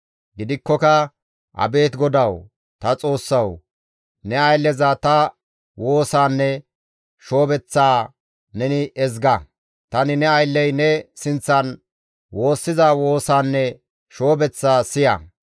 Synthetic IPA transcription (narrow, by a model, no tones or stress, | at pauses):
ɡɪd̪ɪkːɔkɐ | ʔɐ̰be̞ːt̪ɡɔd̪ɐw | t̪ɐt͡sʼo̞ːsːɐw | nɛɐjlːɛzat̪ɐ | wo̞ːsaːnːɛ | ʃo̞ːbɛt͡sːaː | nɛnɪʔɛzɡɐ | t̪ɐnɪnɛɐjlːɛjnɛsɪnt͡sːɐn | wo̞ːsːɪzawo̞ːsaːnːɛ | ʃo̞ːbɛt͡sːaːsɪjɐ̰